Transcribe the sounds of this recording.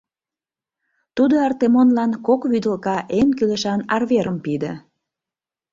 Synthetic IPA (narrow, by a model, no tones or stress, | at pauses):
t̪ud̪oɑrt̪emonlɑnkokβyd̪əlkɑʔenkyleʃɑnɑrβeɾəmpid̪ḛ̆